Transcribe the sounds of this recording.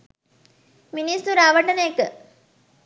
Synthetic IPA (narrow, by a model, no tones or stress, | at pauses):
minist̪uɾaʋəʈɐnejekə